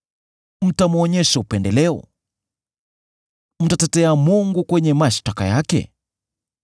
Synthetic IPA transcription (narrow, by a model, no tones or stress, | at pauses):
m̩tamuɔɲɛʃaupɛndɛlɛɔ̰ | m̩tatɛtɛamuŋɡukwɛɲɛmaʃtaka̰jakɛ̰